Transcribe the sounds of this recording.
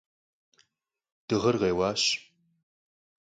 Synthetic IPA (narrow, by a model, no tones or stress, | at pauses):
d̥ɨʁɐrʁeːwɑːɕ